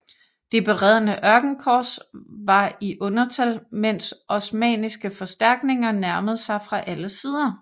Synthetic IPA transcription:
d̥ib̥e̝ʁɛð̞̰ˠənəʔɶɐɡ̥n̩kʰɒ̰ːsʋɑ̈iʔɔ̽nɐt͡sʰælmen̰sʔɒ̽smɛ̰ːnisɡ̥əfɒ̽sd̥æɐɡ̥ne̝ŋɐnæɐməð̞̩ˠsɑ̈ɪfʁɑ̈ʔæləsiːð̞ˠɐ

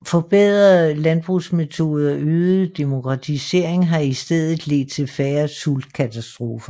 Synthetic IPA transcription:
fɒ̽b̥eð̰ˠʁɐlænb̥ʁusme̝t͡sʰo̝̰ːð̞̩ˠɐʔøːð̩ˠd̥e̝mo̝kʰʁɑ̈t͡sʰise̝ɐ̰eŋɦɑ̈isd̥eð̰ˠð̩ˠle̝̰ːd̥̚t͡sʰe̝lfæːɐsuld̥kʰæt͡sʰæsd̥ʁo̝ːfɐ

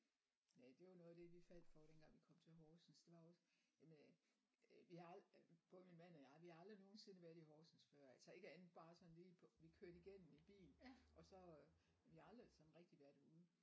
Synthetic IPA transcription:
næd̥e̝jɑnɔðˠd̥e̝ʋifæl̰d̥fɒɾ̥enɡ̥ɑ̈ŋ̰ʋikʰɒ̽m̰t͡sʰe̝lɦɒːsn̩sd̥e̝ʋɑ̈ɒ̽sjæmen | ʋihɑ̈lb̥ʰɔminmæn̰ɒjɑ̈ʋihɑɑld̥ʁino̝ːn̩se̝nəʋæɐðˠiɦɒːsn̩sfɶɐ̰ælsɒe̝ɡ̥əæn̥̩b̥ɑ̈ːsɒ̽n̩liːpʰɔʋikʰøɐ̰ɾ̥iɡ̥en̰n̩ib̥ḭːln̩ʔɒ̽sɒ̽ | ʋiɑld̥ʁisɒ̽nʁɛɡ̥̚d̥iʋæɐ̰d̥æuð̩ˠ

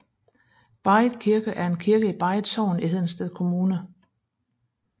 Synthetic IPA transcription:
b̥ɑ̈ɪ̥kʰiɐɡ̥əʔæɐe̝nkʰiɐɡ̥əib̥ɑ̈ɪðˠsɒʊ̰nihe̝ð̰ˠn̩sd̥eð̰ˠkʰo̝muːnə

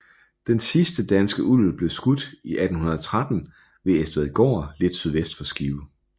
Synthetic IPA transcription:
d̥ensisd̥əd̥ænsɡ̥əʔulb̥le̝ʊsɡ̥ud̥iʔæd̥n̩hunɐð̞ˠɒt͡sʰʁad̥n̩ | ʋe̝esd̥ʋæðˠɡ̥ɒ̰ːle̝d̥syð̞ˠʋesd̥fɒ̽sɡ̥iːʊ

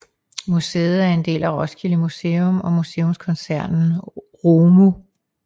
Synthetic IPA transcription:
musḛːð̩ˠæɐe̝nd̥e̝̰ːlæʁɒ̽sɡ̥ʰiləmuse̝ːɔmɒ̽muse̝ːɔ̽mskʰɒ̽nsæɐ̰nn̩ | ʁoːmu

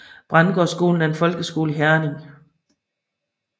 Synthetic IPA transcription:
b̥ʁɑ̈nɡ̥ɒ̰sɡ̥o̝̰ːln̩æɐe̝nfɒ̽lɡ̥əsɡ̥o̝ːləɦæɐne̝ŋ

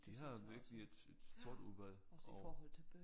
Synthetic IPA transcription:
d̥iɦɑ̈ʋiɐɡ̥əlie̝d̥e̝d̥so̝ɐ̰d̥uðˠʋæl̰ɒɔhɔl̰t͡sʰe̥

